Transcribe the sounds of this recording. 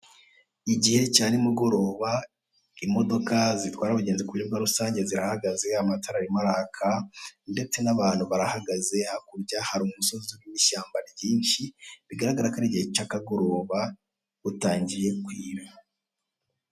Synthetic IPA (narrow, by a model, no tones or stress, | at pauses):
iɟihe̞caːnimuɡo̞ɾo̞ːβa | imo̞do̞kazitwaːɾaβuɟeːnzekuibɡaɾusaːɲɟe̞ziɾahaɡaze̞amatʰaɾaɾimaɾahakʰande̞t͡se̞naβaːn̥huβaɾahaɡaze̞hakuɾɟahaɾummuso̞zzuɾuwiʃaːmbaɾjiːnʃiβiɡaɾaɡaɾakaɾiɟihet͡ʃakaɡo̞ɾo̞ːβḁ | utaːɲɟije̞kwiːβa